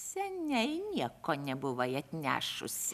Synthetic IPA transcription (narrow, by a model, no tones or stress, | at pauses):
sʲɛnʲɛɪnʲiɛkoːnʲɛbʊʋɐɪɐt̪ʲnʲæ̰ːʃʊ̰sʲ